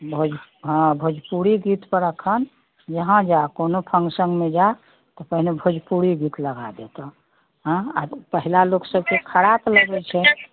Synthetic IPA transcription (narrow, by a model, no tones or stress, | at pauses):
bʱod͡ʒɦə̃bʱod͡ʒpuɽiɡit̪pəɾəkʰən | d͡ʒəɦãd͡ʒakonopʰə̃ŋɡsə̃ŋɡmed͡ʒae | t̪ɔpəɦnebʱod͡ʒpuɽiɡit̪ləɡad̪et̪ɔ | ɦa̰pəɦilaloksəbkekʰəɾapləɡɛlt͡ʃʰɛ